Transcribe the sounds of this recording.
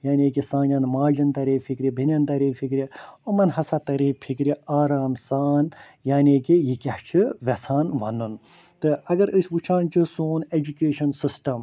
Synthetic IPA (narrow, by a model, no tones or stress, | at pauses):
jaːnʲeːk̬isãːnʲɐnmaːd͡ʒɐnt̪ɐɾeːfʰikɾʲibʱinʲɐnt̪ɐɾeːfʰikɾʲiomɐnɦɐsat̪ɐɾeːpʰikɾʲiaːɾaːmsaːn | jaːnʲeːkijikʲaht͡ʃʰɨʋɐsaːnʋɐ̰nɨn | t̪ɨɐɡɐɾɨsʲʋut͡ʃʰaːnt͡ʃʰɨsoːned͡ʒukeːʃɐnsɨsʈɐm